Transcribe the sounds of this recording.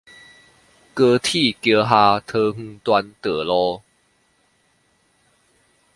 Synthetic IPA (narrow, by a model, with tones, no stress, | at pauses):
kə˧t̪ʰi˥˧˨kjə˧˦ɦa˧t̪ʰɤ˧ŋ̥̩˧˦t̪wa˧nt̪ə˨˩lɔ˧˦